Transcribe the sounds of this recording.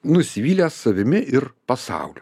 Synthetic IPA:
nʊsʲɪʋʲiːlʲessɐʋʲɪmʲɪʔɪɾpɐsɑ̰ʊlʲʊ

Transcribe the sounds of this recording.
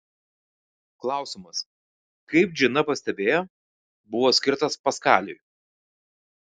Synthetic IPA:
klˠɑˑʊsʲɪmɐs | kɐɪp̚d͡ʒʲɪnɐpɐsʲt̪ʲɛbʲeːjo | bʊʋoːsʲkʲɪɾt̪ɐspɐskɑ̰ːlʲʊ̰j

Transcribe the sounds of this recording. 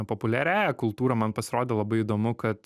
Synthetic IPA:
popʊlʲæːɾʲæːjɛkʊlˠt̪uːɾɐmɐnpɐsʲɪɾoːd̪ʲeːlˠɐbɐɪid̪oːmʊkɐt̪

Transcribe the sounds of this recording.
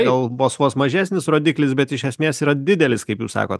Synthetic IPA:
ɡɐlˠboːsʋoːsmɐʒʲæːsʲnʲɪsroːd̪ʲiːklʲɪsbʲɛt̪ɪʃʲɛsʲmʲeːsiːɾɐd̪ʲɪd̪ʲɛlʲɪskɐɪpjuːssɑ̰ːkoːt̪

